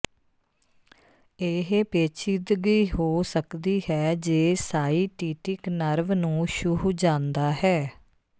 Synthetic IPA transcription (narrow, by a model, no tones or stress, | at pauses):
eːɦepeːt͡ʃʰɪd̪ɡəiːɦoːsəkd̪iːhɛːd͡ʒeːsaːiːʈiːʈɪknəɾʋnũːʃʊɦd͡ʒãːnd̪aːɦɛː